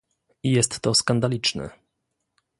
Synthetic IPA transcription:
ijɛst̪ːɔskand̪alʲit͡ʂnɛ̰

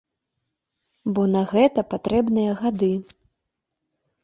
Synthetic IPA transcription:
bɔnɐɣɛt̪ɐpat̪ɾʔɛbnɨjɐɣad̪ɨ

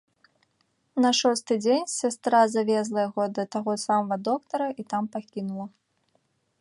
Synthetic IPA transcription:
nɐʂɔst̪ɨd͡zʲenʲsʲast̪ɾazavʲɛzlˠɐjaɣɔd̪ɐt̪aɣɔsamɐvɐd̪ɔkt̪ɐɾɐʔit̪ampakʲinulˠɐ

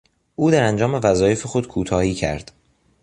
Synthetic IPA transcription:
ʔuːd̪æɾænd͡ʒɒːme̞væzɒːje̞fexo̞d̪̥kʰuːt̪ʰɒːhiːcʰæ̰ɾd̪̥

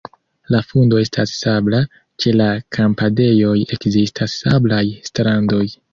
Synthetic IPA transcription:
lafundo̞e̞stasːabla | t͡ʃe̞lakʰampade̞jo̞je̞kzistʰasːablajstɾando̞j

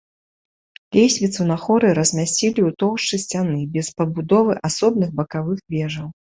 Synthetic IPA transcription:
lʲejsʲvʲit̪sunɐxɔɾɨɾɐzʲmʲasʲt͡sʲilʲiut̪ɔwʂt͡ʂɨsʲt͡sʲanɨbʲɛspɐbud̪ɔvɨʔasɔbnɨɣbɐkavɨxvʲɛʐɐw

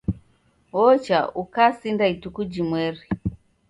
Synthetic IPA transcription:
wɔt͡ʃaukasindaitukud͡ʒimwɛɾi

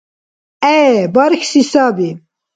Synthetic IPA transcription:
ɛbɑɾkʰsisabi

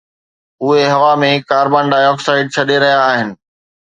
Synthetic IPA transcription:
ʊɦeɦɐʋamẽkaːɾbãːɳɖaːjɔːksaːɪɖ̚t͡ɕʰɐɗeɾɐɦijaːɦɪnɪ̆

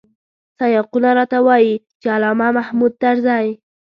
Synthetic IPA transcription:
sajɑqunaɾɑt̪awɑjit͡ʃɪalɑmamahmud̪̚t̪aɾzaj

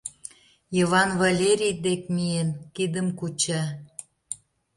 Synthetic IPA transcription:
iβɑnvɑlʲeɾʲijd̪ekmienkid̪əmkut͡ɕɑ

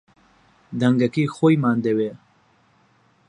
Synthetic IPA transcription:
d̪ɐŋɡɐkiːxojmaːnd̪ewe

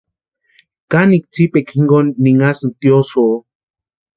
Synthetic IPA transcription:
kanik̚t͡sipekʰiŋɡonːiŋasnt̪joso

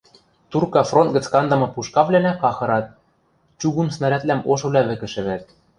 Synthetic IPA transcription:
t̪urkɑfront̪̚ɡɘ̆t͡skɑnd̪ɤ̆mɤ̆puʃkɑβlænækɑxɤ̆ɾɑt̪̚ | t͡ɕuɣumsnɑɾæt̪læmoʃɤ̆βlʲɑβɘ̆kɘ̆ʃɘ̆βæt̪̚

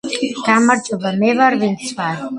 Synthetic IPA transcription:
ɡ̥amaɾd͡ʒʼɔbamɛvaɾvint̪sʰvaɾ

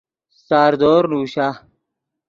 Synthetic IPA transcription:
saːɾd̪oːɾnuːɕa

